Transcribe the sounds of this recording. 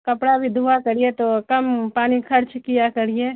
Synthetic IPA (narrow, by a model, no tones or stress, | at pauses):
kɐpɽabʱid̪ʱuakɐɾiet̪okɐmpaːnixʰɐɾt͡ʃkijakɐɾie